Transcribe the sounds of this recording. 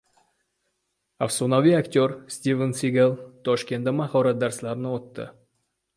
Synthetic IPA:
afsonavʲiakt̪ʲoɾsʲt̪ʲivənsiɡʲelˠt̪ʰɔʃkʲe̞nt̪ːamahɑɾɑt̪̚d̪ɑɾslˠɑɾnot̪ːə̰

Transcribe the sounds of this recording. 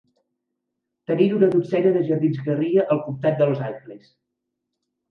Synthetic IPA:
t̪əniɾunəðusɛɾəðəʒəɾðinzɣəriəʔəlˠkumt̪at̪̚d̪əlzajkles

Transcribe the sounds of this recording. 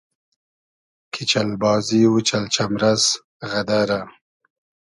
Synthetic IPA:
kʰit͡ʃalbɑːziwut͡ʃalt͡ʃamɾaz | ɣad̪aɾa

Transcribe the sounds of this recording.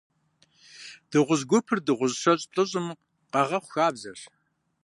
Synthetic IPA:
d̥ɨʁʷʊzɡʷʊpʰɨrdɨʁʷʊzʂɐɕʼɬʼɨɕʼɨm | qɐʁɐχʷʊxaːbzɐɕ

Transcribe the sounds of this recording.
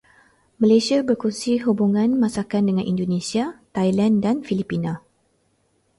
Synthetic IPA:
mãlesiabərkusiɦubuŋãnmãsakandəŋãnʔḭndonesiat̪ajlandanfilipina

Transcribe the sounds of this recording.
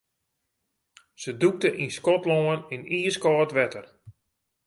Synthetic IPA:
səduk̚təʔinskɔtloːəniniːəskɔːtʋɛtər

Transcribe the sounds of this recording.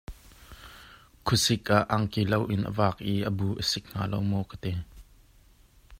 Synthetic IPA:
kʰʊsɪk̚ʔaʔɐŋkilɐwʔɪnʔə̰vaːk̚ʔiːʔəbuːʔəsɪk̚ŋ̥a̰ːlowmɔkət̪ɛ

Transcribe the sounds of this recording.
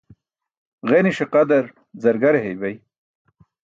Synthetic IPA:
ʁeniɕeqɐd̪ɐɾ | zɐɾɡɐɾeɦejbɐj

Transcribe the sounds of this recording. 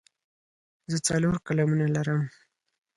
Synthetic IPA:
zət͡saloɾkalamunalaɾəm

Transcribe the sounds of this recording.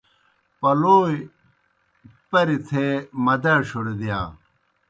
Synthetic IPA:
pɐloːj | pɐɾit̪ʰemɐd̪ɐɕuɽd̪ijaː

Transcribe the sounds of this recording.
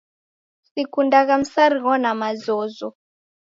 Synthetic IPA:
sikʰundʱak̬am̩saɾiŋɔnamazɔːzɔ

